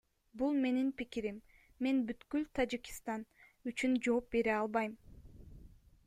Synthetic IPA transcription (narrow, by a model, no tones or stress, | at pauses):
bulˠme̞ninpikiɾimː | e̞nbyt̪kylt̪ʰad͡ʒiki̥st̪ɑnyt͡ʃynd͡ʒo̞ːp̚be̞ɾeɑlˠβɑjm